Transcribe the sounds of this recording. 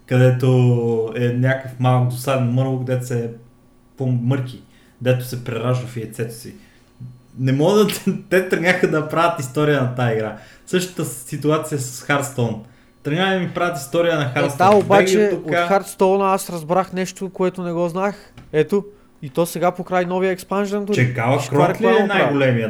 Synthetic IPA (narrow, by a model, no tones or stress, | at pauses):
kɐd̪ɛt̪oɛnʲakəfmalˠk̚d̪osaɾnɐməɾlˠokd̪ɛt̪ʊsɛ | pomɤɾk̟i | kd̪ɛt̪ʊ̥sɛpɾɛɾaʒəfiɛt̪sɛt̪ʊ̥si | nɛmɔɡd̪ɐt̪t̪ɛt̪ɾnʲaxəd̪ɐpɾavət̪ist̪ɔɾijənɐt̪aːiɡɾa | sɤʃt̪ə̥t̪əsit̪uat̪sijɐsɐ̥sxaɾt̪st̪ɔn | t̪ɾnʲaxɐmipɾavət̪ist̪ɔɾijənɐxaɾt̪st̪ɔaobaɡt͡ʃɛok̪axaɾt̪st̪ɔnasɾɐzbɾaxnɛʃt̪okoɛt̪ʊnɛɡɔznax | ɛt̪o | it̪ɔsɛɡapokɾajnɔviəɛkspanʒɾɛnk̪ot͡ʃɛɡavɐɾɔlɛnajɡolɛmiə